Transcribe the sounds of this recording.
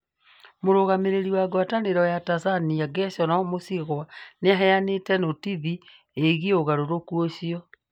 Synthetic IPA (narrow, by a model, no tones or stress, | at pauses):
moɾoɣameɾeɾiwaɡwataneɾɔjatasaniaɡɛsɔnaomosiɣwaneaɦɛjanetɛnotiβi | eɣioɣaɾoɾokuoɕiɔ